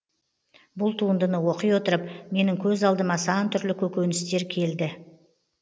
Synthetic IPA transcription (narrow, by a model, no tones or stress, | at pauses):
bʊlˠt̪ʰuənd̪ənəwo̞qəjwo̞t̪əɾəpme̞nɪŋkʲʰɵzɑlˠd̪əmɑsənt̪ʰʏɾlɪkʲʰɵkʲenɪst̪e̞ɾkʲʰe̞ld̪ɪ